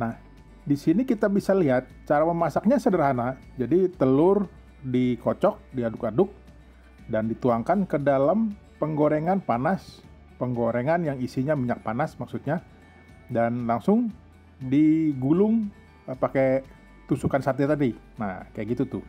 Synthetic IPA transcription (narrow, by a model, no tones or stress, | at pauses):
nah | disinikit̪abisaliɦat̪̚t͡ʃaɾaməmasak̚ɲasədəɾɦanad͡ʒadit̪əlʊr | dikot͡ʃɔk̚diadʊkadʊk̚ | dandit̪uaŋkankədalam | pəŋɡoɾeŋanpanas | pəŋɡoɾeŋanjaŋisiɲamiɲak̚panasmaksut̪̚ɲa | danlaŋsʊŋ | diɡulʊŋ | əpake | t̪usukansat̪̬iat̪adi | na̰kajaɡit̪ut̪ʊ